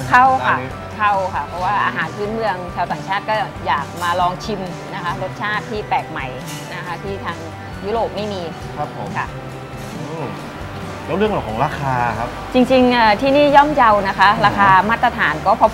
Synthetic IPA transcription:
kʰa˥˩wkʰa˧˥˩ | kʰa˥˩wkʰa˧˥˩pʰɔ˧˥waː˥˩ʔa̰ː˧ɦaː˩˦npʰɯː˦˥nmɯ˧əŋt͡ɕʰaː˧wt̪aː˨˩ŋt͡ɕʰaː˥˩t̪̚kɔː˥˩ | jaː˨˩k̚maː˧lɔː˧ŋt͡ɕʰi˧m | na˦˥kʰa˦˥ɾo˦˥t̪̚t͡ɕʰaː˥˩t̪ʰːiː˥˩pɛː˨˩k̚ma˨˩j | na˦˥kʰa˦˥t̪ʰiː˥˩t̪ʰaː˧ŋ | juː˦˥ɾoː˨˩p̚ma˥˩jmiː˧ | kʰa˦˥p̚ʰo˦kʰa˥˩ | ɯː˧˩ | lɛː˦˥wɾɯ˥˩əŋʔɔː˨˩kʰɔː˩˦ɾaː˧kʰaː˧kʰa˦˥p̚t͡ɕi˧ŋt͡ɕi˧ŋʔaː˨˩t̪ʰiː˥˩niː˥˩jɔ˥˩mja˧wna˦˥kʰa˦˥ɾaː˧kʰaː˧maː˥˩t̪ːɾa˧t̪ʰaː˩˦nkɔː˥˩pʰɔ˧˥

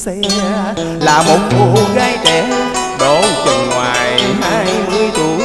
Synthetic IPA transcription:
laː˨˩mo˨˩t̚ko˧ɣaː˧jt͡ɕɛ˨˦ɗo˧˩wt͡ɕə˨˩ŋŋwaː˨˩jhaː˧jmɨ˧əjt̪u˧˩əj

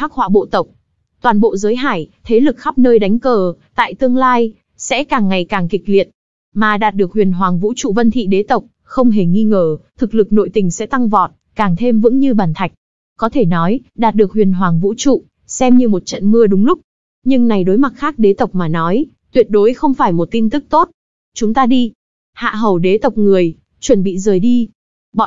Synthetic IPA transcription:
tʰaː˦˥k̚hwa̰ː˧˨˩ɓo̰˧˨t̪ə˨˩wk͡p̚ | t̪waː˨˩nɓo̰˧˨zəː˨˦jɦa̰ː˧˩jt̪ʰe˨˦lɨ˨˩k̚xa˦˥p̚nəː˧jɗa˨˦jŋ̟kəː˨˩t̪a̰ː˧˨jt̪ɨ˧əŋlaː˧j | sɛ̰˧˥kaː˨˩ŋːa˨˩jkaː˨˩ŋkï˨˩k̟̚li˨˩ət̚ | maː˨˩ɗaː˨˩t̚ɗɨ˨˩ək̚hwḭ˨˩ənɦwaː˨˩ŋvṵ˧˥t͡ɕṵ˧˨və˧nt̪ʰḭ˧˨ɗe˨˦t̪ə˨˩wk͡p̚ | xə˧wŋ͡mɦe˨˩ŋi˧ŋəː˧˩t̪ʰɨ˨˩k̚lɨ˨˩k̚no̰˧˨jt̪ï˨˩ŋ̟sɛ̰˧˥t̪a˧ŋvɔ˨˩t̚ | kaː˨˩ŋt̪ʰe˧mvɨ̰˧˥ŋɲɨ˧ɓaː˨˩nt̪ʰa˨˩jk̟̚ | kɔ˨˦t̪ʰe˧˩nɔ˨˦jɗaː˨˩t̚ɗɨ˨˩ək̚hwi˨˩ənɦwaː˨˩ŋvṵ˧˥t͡ɕṵ˧˨ | sɛ˧mɲɨ˧mo˨˩t̚t͡ɕə̰˧˨nmɨ˧əɗʊ˨˦ŋ͡mlʊ˦˥k͡p̚ | ɲɨ˧ŋna˨˩jɗo˨˦jma˨˩t̚xaː˦˥k̚ɗe˨˦t̪ə˨˩wk͡p̚maː˨˩nɔ˨˦j | t̪wi˨˩ət̚ɗo˨˦jxə˧wŋ͡mfaː˧˩jmo˨˩t̚t̪i˧mt̪ɨ˦˥k̚t̪o˦˥t̚ | t͡ɕʊ˨˦ŋ͡mt̪aː˧ɗi˧ | ha̰ː˧˨ɦə˨˩wɗe˨˦t̪ə˨˩wk͡p̚ŋɨ˨˩əj | t͡ɕwə˧˩nɓḭ˧˨zəː˨˩jɗi˧ | ɓɔ̰˧˨

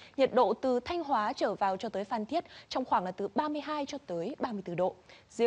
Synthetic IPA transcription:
ɲə˨˩t̚ɗo̰˧˨t̪ɨ˨˩t̪ʰa˧jŋ̟ɦwaː˨˦t͡ɕəː˧˩vaː˨˩wt͡ɕɔ˧t̪əː˨˦jfaː˨˩nt̪ʰi˦˥ət̚t͡ɕɔ˧wŋ͡mxwaː˧˩ŋlaː˨˩t̪ɨ˨˩ɓaː˧mɨ˧əjɦaː˧jt͡ɕɔ˧t̪əː˨˦jɓaː˧mɨ˧əjt̪ɨ˧˩ɗo̰˧˨zḭ˧˦

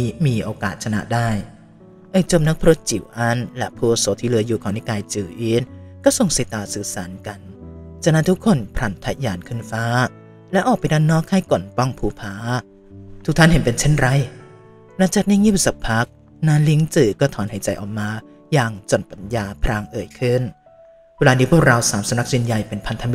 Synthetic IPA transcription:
miː˧ʔoː˧kaː˨˩t̪̚t͡ɕʰa˧na̰˦˥ʔdaː˥˩j | ʔɤː˧˩jt͡ɕo˨˩m̚na˦˥k̚pʰa˧ɾo˦˥t̪̚t͡ɕi˨˩˦wʔa˧˥˩nlɛ̰˦˧˥pʰuː˧˩soː˨˦t̪ʰːiː˧lɯ˧ɐjuː˨˩kʰaː˨˩na˧˥˩kaː˧jt͡ɕɯː˨˩ʔiː˦˥nkɔː˥˩so˨˩ŋsi˨˦t̪ːaː˨˩sɯː˨˩saː˩˦nka˧˩nt͡ɕa˧˩na˦˥t̪ʰu˦˥kʰːo˧˥˨npʰɾa˨˩nt̪ʰa˦˥jaː˨˩nkʰɯ˧˥˩nfaː˦˥ | lɛ˦˥ʔɔː˨˩k̚pa˧˨jdaː˧˩˨nːɔː˦˥˩kʰːa˥˩jko˨˩npɔ˥˩ŋpʰuː˧˩pʰaː˨˦ | t̪ʰu˧˦˥t̪ʰa˥˨ɦe˨˦npe˧nt͡ɕʰe˥˩nɾa˧˩˨j | la˧˥ŋt͡ɕaː˨˩k̚niː˧˥˨ŋi˥˩psa˨˩k̚pʰa˦˥k̚ | naː˦˥nli˦˥ŋt͡ɕɯː˨˩kɔː˥˩t̪ʰɔː˨˦nha˨˩˦jt͡ɕa˧˩jʔɔ̰ː˨˩k̚maː˧ | jaː˧ŋt͡ɕo˨˩npa˧˨njaː˧pʰɾaː˧ŋʔɤː˨˩jkʰɯ˥˩n | we˧laː˧niː˦˥pʰu˥˩ɐk̚ɾa˧wsaː˨˦msa˧mna˦˥k̚t͡ɕi˧nja˧jpe˧npʰa˧nt̪ʰa˧mi˦

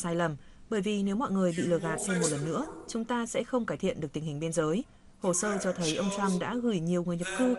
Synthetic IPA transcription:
saː˧jlə˨˩mɓəː˧˩jvi˨˩ne˨˦wmɔ̰˧˨jŋɨ˨˩əjɓḭ˧˨lɨ˧˩əɣa̰ː˨t̚sʰɛ˧mo˨˩t̚lə˨˩nːɨ̰˧˥ət͡ɕʊ˨˦ŋ͡mt̪aː˧sɛ̰˧˥xə˧wŋ͡mkaː˧˩jt̪ʰḭ˧˨ənɗɨ˨˩ək̚t̪i˨˩ŋ̟hï˨˩ŋ̟ɓi˧ənzəː˨˦j | ho˧˩səː˧t͡ɕɔ˧t̪ʰə˨˦jʔə˧wŋ͡mt͡ɕa˧mɗa̰ː˧˥ɣɨ˧˩jɲi˨˩əwŋɨ˨˩əjɲə˨˩p̚kɨ˧

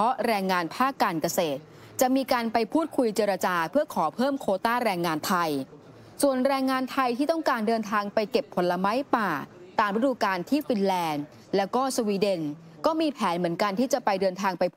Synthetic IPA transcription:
ɔ˦˥ɾɛː˧ŋːaː˧npʰaː˥˩kːaː˧nka˧seː˨˩t̪̚ | t͡ɕa˨˩ʔmiː˧kaː˧npa˧jpʰuː˥˩t̪̚kʰu˧jt͡ɕeː˧ɾa˧t͡ɕaː˧pʰɯ˥˩ɐkʰɔː˩˦pʰɤː˥˩mkʰoː˧t̪aː˥˩ɾɛː˧ŋːaː˧nt̪ʰa˧j | su˨˩ənɾɛː˧ŋːaː˧nt̪ʰa˧jt̪ʰiː˥˩t̪ɔ˥˩ŋkaː˧ndɤː˧nt̪ʰaː˧ŋpa˧jke˨˩pʰːo˩˦nla˧ma˦˥jpaː˨˩ | t̪aː˨˩mɾa˦˥duː˧kaː˧nt̪ʰiː˥˩fi˧nlɛː˧n | lɛː˦˥wkɔː˥˩swiː˧de˧n | kɔː˥˩miː˧pʰɛː˩˦nmɯ˩˦ənka˧nt̪ʰiː˥˩t͡ɕa˨˩pa˧jdɤː˧nt̪ʰaː˧ŋpa˧j

